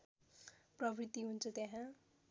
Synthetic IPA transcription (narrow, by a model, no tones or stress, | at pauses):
prʌbʱrit̪iɦunt͡sʰʌt̪jaɦã